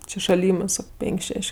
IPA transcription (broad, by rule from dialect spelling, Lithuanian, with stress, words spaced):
ˈt͡ʃʲɪ ʃɐˈlʲɪmɜs ˈsɑːkoː ˈpʲɛŋʲkʲ ˈʃʲɛʃʲ